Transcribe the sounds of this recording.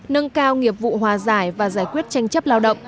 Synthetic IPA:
nə˧ŋkaː˧wŋi˨˩əp̚vṵ˧˨ɦwaː˨˩zaː˧˩jvaː˨˩zaː˧˩jkwi˦˥ət̚t͡ɕa˧jŋ̟t͡ɕə˦˥p̚laː˧wɗə̰˧˨wŋ͡m

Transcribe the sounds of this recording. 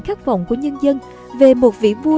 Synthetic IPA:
nxaː˦˥k̚və̰˧˨wŋ͡mku˧˩əɲə˧nzə˧n | ve˨˩mo˨˩t̚vḭ˧˨vu˧

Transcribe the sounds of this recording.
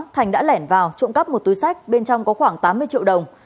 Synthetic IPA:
t̪ʰa˨˩jŋ̟ɗa̰ː˧˥lɛ˧˩nvaː˨˩wt͡ɕo̰˧˨ŋ͡mkə˦˥p̚mo˨˩t̚t̪u˨˦jsa˦˥jk̚ɓe˧nt͡ɕɔ˧wŋ͡mkɔ˨˦xwaː˧˩ŋt̪aː˨˦mːɨ˧əjt͡ɕḭ˧əwɗə˨˩wŋ͡m

